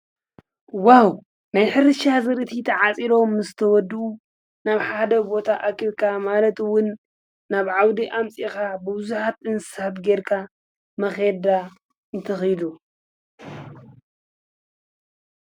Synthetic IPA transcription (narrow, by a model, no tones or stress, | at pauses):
waw | najħɨɾɨʃazɨɾɨt̪ʰit̪ʰɐʕat͡sʼiɾo̞mɨzɨt̪ʰɐwɔd̪ːɨu | naβħad̪ɐbo̞t̪ʰaʔakʰɨβkʰamalɐt̪ɨwʊnː | aβʕawd̪iʔamt͡sʼikabɨbɨzuħat̪ɨnsɨ̥sat̪ɡeɾkʰa | mɐxed̪a | ɨnt̪ʰɐxɨjd̪u